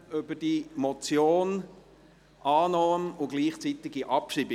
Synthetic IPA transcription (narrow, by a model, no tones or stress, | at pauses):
ʏbəd̥imɔt͡sjoːn | ʔɑːnɔːmʊɡliːχt͡sit̪ɪɡiʔɑpʃibɪ